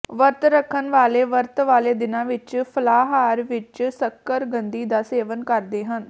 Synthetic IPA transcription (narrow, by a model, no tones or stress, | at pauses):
ʋəɾt̪ɾəkʰːənʋaːleːʋəɾt̪ʋaːleːd̪ɪnãːʋɪt͡ʃpʰəlaːɦaːɾʋɪt͡ʃsəkːəɾɡənd̪iːd̪aːseːʋənkəɾd̪eːɦən